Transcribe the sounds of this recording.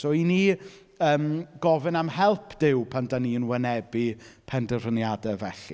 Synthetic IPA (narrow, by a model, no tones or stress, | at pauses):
sɔini | əːmɡ̥ɔvɨnamhɛlˠpʰd̥ɪwpʰandaniənwɛnɛbipʰɛndərənjadɛvɛɬi